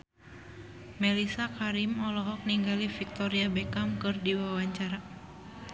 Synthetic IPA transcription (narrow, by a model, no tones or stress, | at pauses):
mɛlisakaɾimɔlɔɦɔk̚niŋɡalifik̚t̪ɔɾiabɛkamkɨrdiwawaɲt͡ʃaɾa